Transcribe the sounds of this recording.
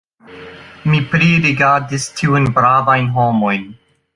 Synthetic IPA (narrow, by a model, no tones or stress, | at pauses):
mipɾiɾiɡaɾdistʰiujnbɾavajnɦomojn